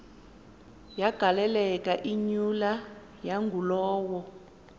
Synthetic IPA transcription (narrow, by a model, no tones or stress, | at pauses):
jaɡ̥ʱalɛlɛkʼaʔiɲula | jaŋɡʱulɔːwɔ